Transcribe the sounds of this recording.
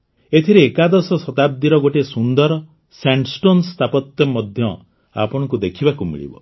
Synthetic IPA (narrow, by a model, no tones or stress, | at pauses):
et̪ʰiɾeːkad̪ɔsɔsɔt̪ab̚d̪iɾɔɡoʈesund̪ɔɾɔ | saɳʈsʈonst̪ʰapɔt̪jɔmɔd̪ʱjɔ | a̰pɔɽ̃ɔ̃ŋkud̪ekʰibakumḭɭḭbɔ̰